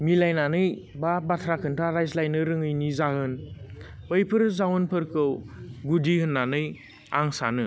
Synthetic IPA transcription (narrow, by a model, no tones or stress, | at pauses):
milajnanɯj | babatʰɾakʰɯntʰaɾajzlajnɯɾɯŋɯjnizahɯn | bɯjpʰɯɾzawnpʰɯɾkʰɯwɡudihɯnːanɯj | a̰ŋsa̰nɯ